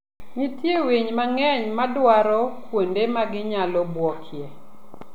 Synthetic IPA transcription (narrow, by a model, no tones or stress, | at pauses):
mitjewiɲmaŋɛɲmadwaɾɔkwondemaɡɪɲalɔbwɔkʰje